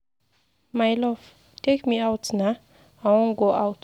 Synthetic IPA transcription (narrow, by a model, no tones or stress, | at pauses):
majlɔf | tʰekmiawtna | awɔ̃nɡoʔawt